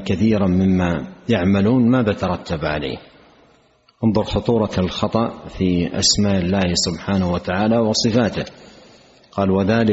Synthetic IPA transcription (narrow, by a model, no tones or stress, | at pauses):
kaθiːɾamɪmːajaʕmaluːnmaːðat̪ɑɾˤɑt̪ʰːabʕa̰la̰ː | ʔɑnðˤʊɾxʊt̪ˤuːɾˤɑlxɑt̪ˤɑʔfiʔa̰smaːʔɪlːaːhsʊbħaːnwat̪aʕaːlawɑsˤɨfaːt̪ɪ | qɑːlwaðaːlɪ